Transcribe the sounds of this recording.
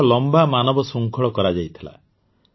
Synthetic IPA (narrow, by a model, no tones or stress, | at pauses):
lɔmbamanɔbɔsuŋkʰɔɭɔkɔɾad͡ʒajt̪ʰila̰